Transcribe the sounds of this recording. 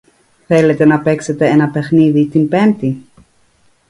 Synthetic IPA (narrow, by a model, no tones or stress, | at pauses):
θelet̪e̞nɐpekset̪e̞enɐpexniðit̪inpemt̪i